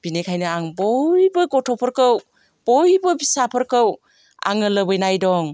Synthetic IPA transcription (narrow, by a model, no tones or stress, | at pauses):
b̥inekʰajnɯaŋbojbɯɡɔtʰɔpʰəɾkəw | b̥ojbəbisapʰəɾkəw | a̰ŋɯləbɯjnajdɔŋ